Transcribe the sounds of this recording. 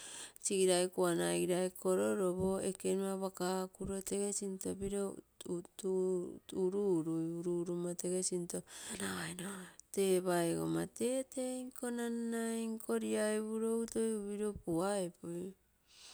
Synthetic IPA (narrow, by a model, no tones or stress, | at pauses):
t͡ʃiɡiɾajkuanaɡiɾajkʰo̞ɾoɾo̞βo̞eke̞nuaβakakuɾo̞te̞ɡe̞sintobiɾo | tutuɾuɾujuɾuɾumate̞ɡesinto̞naaenote̞ːβaeɡo̰mate̞ːteŋko̞nanːajŋkʰo̞ɾiaeβuɾo̞wtojuβiɾopuaepuj